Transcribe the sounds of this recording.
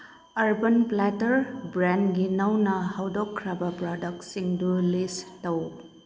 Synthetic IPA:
ɐɾbɐnplatɐɾbɾanɡinɐwnɐhɐwdɔkʰːɾɐbɐpɾɔdɐk̚siŋdulistɐw

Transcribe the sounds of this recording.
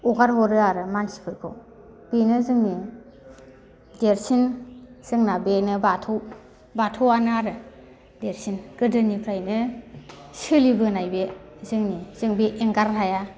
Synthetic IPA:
uɡaɾɦɔɾɯaɾɯmansi̥pʰɯɾkʰɔ̰ | b̥inɯzɯŋni | deɾsinz̥ɯŋnabenɯbatʰow | batʰɔwanaɾɯ | deɾsinɡ̥ɯdɯnipʰɾajnɯ | sɯlibɯnajbezɯŋniz̥ɯŋbeʔːŋɡaɾɦaja

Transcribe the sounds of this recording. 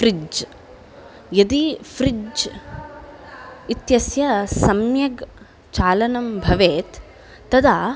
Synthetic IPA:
fɾid͡ʒd͡ʒ | jɐd̪ifɾid͡ʒ | it̪jɐsjɐsɐmjɐɡ | t͡ʃaːlɐnɐmbʱɐʋeːt̪ː | ɐd̪aː

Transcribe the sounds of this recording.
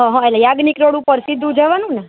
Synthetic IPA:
ɦɔ̃ɦɔ̃ɛlajaɡnikɾoɽũpəɾsid̪ʱːũd͡ʒəʋanũnɛ

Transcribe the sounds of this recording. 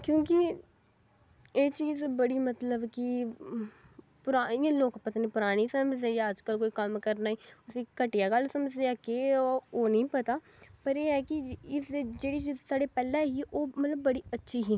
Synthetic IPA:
kjõːkɪ | eːt͡ʃiːzbəɽiːmət̪ləbkɪ | pʊɾaːiːãːloːkpət̪aːniːpʊɾaːɽ̃iːsəməd͡ʒd̪eːd͡ʒaəd͡ʒkəlkoːiːkəmkəɾnaːiːʊsĩːkəʈɪjaːɡəlsəməd͡ʒd̪eaːkeoːnĩːpət̪aː | pəɾeːɛːkɪɪsd͡ʒeːɽiːt͡ʃiːzsaːɖeːpɛːlɛ̃ːɦiːʔoːmət̪ləbːəɽiːətːʃʰiːɦiː

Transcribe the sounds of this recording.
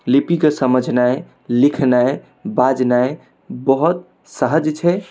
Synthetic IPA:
lipikesəməd͡ʒʱnae | likʰnae | bad͡ʒnae | bəɦut̪̚ | səɦəd͡ʒt͡ʃʰɛ

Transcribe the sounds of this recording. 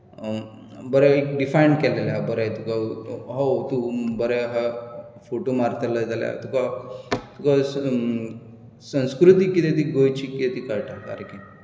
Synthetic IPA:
bəɾɛkɖifajɳɖkɛleljabəɾɛt̪ukaɦawt̪ubəɾɛɦa | foʈomaɾt̪ʰəlad͡zalja̰t̪ukat̪ukas | sə̃w̃skɾut̪̬ikːit̪et̪̬iɡojt͡ɕikit̪et̪ikaɾʈaka̰ɾki

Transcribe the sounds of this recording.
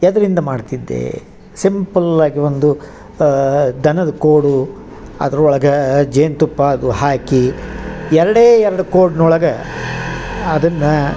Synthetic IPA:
ɛd̪ɐɾind̪ɐmaːɖt̪id̪ːḛ | simpɐlaːɡiʋond̪u | d̪ʱɐnɐd̪ɐkoːɽu | ɐ̰d̪ɐɾɔɭɐɡɐd͡ʒeːnt̪upːɐɐd̪uhaːkijɛɾɐɽeːɛɾɐɽukoːɽnɔɭɐɡɐ | d̪ɐnːɐ

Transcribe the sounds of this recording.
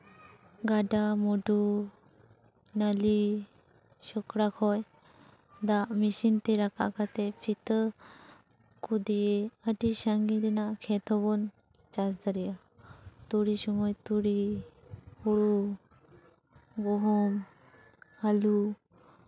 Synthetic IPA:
ɡaɖamoɖu | nali | ɕɔkɽakʰɔj | d̪amiɕint̪iɾakʰa̰kat̪efʰit̪ə | kud̪ijeəd̪iɕaŋɡit̪inakʰet̪ʰɔbɔn | t͡ɕasd̪əɾija | t̪oɽiɕumɔjt̪uɽi | hoɭu | ɡoɦom | alu

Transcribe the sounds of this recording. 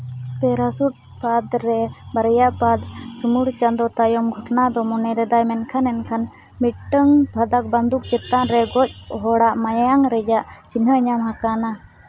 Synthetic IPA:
p̪ɛɾasuʈ̚ | pad̪ɾɛbaɾjaʔpad̪sumuɽt͡ʃand̪ɔt̪ajɔmɡʱɔʈnad̪ɔmɔnɛɾɛd̪ajmɛnkʰanɛnkʰan | miʈːəŋbʱad̪ak̚band̪uk̚t͡ʃɛt̪aʔɾɛɡɔc̚ˀɔɦɔɽaʔmajajaŋɾɛd͡ʒaʔt͡ʃiŋɦəəɲamɦakana

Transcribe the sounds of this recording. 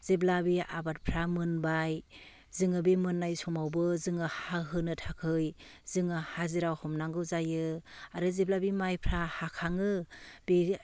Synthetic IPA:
z̥eblabia̰bat̚pʰɾamɯnbaj | zɯŋɯbimɯnːajsɔmawbɯzɯŋɯhaɦɯnɯtʰakʰɯj | zɯŋɯhaziɾawhɔmnaŋɡɯwzajɯaɾɯzeblabimajpʰɾahakʰaŋɯb̥i

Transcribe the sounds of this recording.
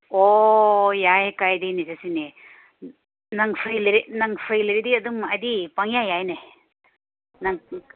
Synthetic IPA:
o | jajkajdinisasini | nɐŋpʰɾiliɾinɐŋpʰɾijliɾidiɐdumɐdipaŋjajajne | nɐŋ

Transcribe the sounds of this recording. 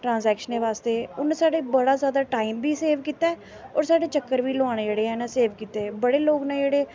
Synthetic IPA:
ʈɾãːnzɛːkʃəneːʋaːst̪eːʊnẽsaːɖeːbəɽaːzjaːd̪aːʈaːimbiːseːʋkiːt̪aɛː | ɔːɾsaːɖeːt͡ʃəkːəɾʋiːlʊaːɽ̃ed͡ʒeːɽeːɦɛːnãːseːʋkiːt̪eɛbəɽeːloːɡnɛ̃ːd͡ʒeːɽeː

